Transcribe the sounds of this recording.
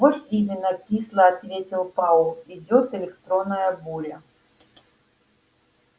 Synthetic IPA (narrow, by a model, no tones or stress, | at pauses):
vɔsʲimʲɪnːɐpʲislˠɐɐt̪vʲetʲɪlˠpalˠidʲɔt̪ɛlʲɪkt̪ɾonːɐjɐbulʲɐ